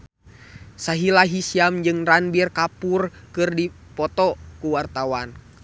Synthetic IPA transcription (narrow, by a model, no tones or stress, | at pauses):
saɦilaɦisiamd͡ʒɨŋranbirkapurkɨrdi | pɔt̪ɔkuwart̪awan